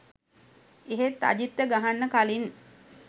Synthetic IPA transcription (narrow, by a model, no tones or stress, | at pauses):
eɦet̪ːa̰ɟit̪ːəɡaɦanːəkalin